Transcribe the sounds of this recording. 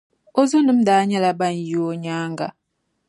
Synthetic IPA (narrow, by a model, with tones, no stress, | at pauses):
o˦zo˦nɨ˦m̩˦daː˨˦ɲɛ˦la˦ba˦˨n˨jo˦ɲaː˦ŋɡa˨